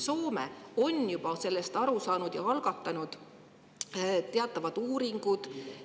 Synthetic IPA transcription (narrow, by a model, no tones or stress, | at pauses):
so̞ːmḛo̞njub̥ɑse̞lːest̪ɑɾusɑːnud̪̥jɑɑlɡ̥ɑt̪ːˑɑnud̪̥ | t̪e̞ɑt̪ːˑɑvɑd̪̥uːɾiŋɡ̥ud̪̥